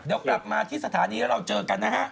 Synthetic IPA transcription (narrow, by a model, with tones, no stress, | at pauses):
deː˧wkla˨˩p̚maː˧t̪ʰiː˥˩sa˧t̪ʰaː˩˦niː˧lɾa˧wt͡ɕɤː˧ka˧nːaː˦˥ɦa˦˥ʔ